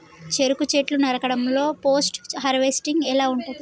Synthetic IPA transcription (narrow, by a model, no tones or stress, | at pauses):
t͡ʃeɾukut͡ʃeʈlunɐɾɐkɐɽɐmlo̞ːpo̞ːsʈɦɐɾʋesʈiŋɡɛlaːuɳʈund̪i